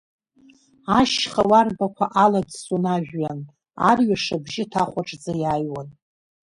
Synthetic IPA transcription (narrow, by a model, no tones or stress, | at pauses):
aʃχawarbakʷʰaʔaladsunaʒᶣɥan | a̰rɥaʂabʒɪtʰaχʷaʈ͡ʂʼd͡zajajwan